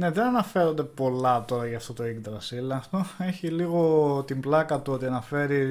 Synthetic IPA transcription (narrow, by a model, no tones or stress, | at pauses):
ne̞ðenɐnɐfe̞ɾo̞nd̪e̞po̞lɐt̪o̞ɾɐʝɐːft̪o̞t̪o̞iɡd̪ɾɐsilɐst̪oe̞çiliɣo̞t̪imblɐkɐt̪uo̞t̪iɐnɐfe̞ɾi